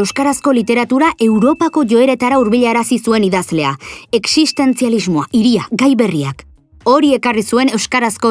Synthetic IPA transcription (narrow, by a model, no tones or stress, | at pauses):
ewskaɾasko̞lit̪e̞ɾat̪uɾaʔe̞wɾo̞pako̞ʝo̞e̞ɾe̞t̪aɾauɾβiʎaɾasisue̞niðazle̞ae̞ksist̪e̞nt͡sializmo̞a̰ʔiɾiaɡajβe̞riak | o̞ɾie̞karisue̞ne̞wskaɾasko̞